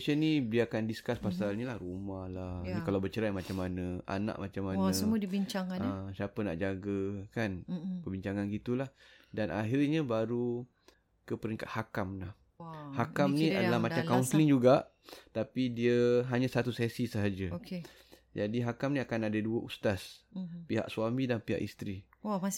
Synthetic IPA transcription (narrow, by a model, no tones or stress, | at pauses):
sənibiakandiskaspasalɲəlahrumahlahnĩkalawbət͡ʃəɾajmat͡ʃamːanəa̰na̰ʔ̚mat͡ʃamːanəsəmuədibiɲt͡ʃaŋanəsiapəna̰ʔd͡ʒaɡəkanpəbiɲt͡ʃaŋanɡit̪ulah | danʔa̰ɦirɲəbaɾu | kəpəɾiŋka̰t̪hakamlah | hakamnĩadalahmadt͡ʃamkaunslɪŋd͡ʒuɡaʔ | t̪apidiəɦaɲãsat̪usɛsisəɦad͡ʒəoke | d͡ʒadiɦakamniakanadəduəʔust̪aspiɦa̰ʔswamĩdanpiɦa̰ʔḭst̪ɾi | a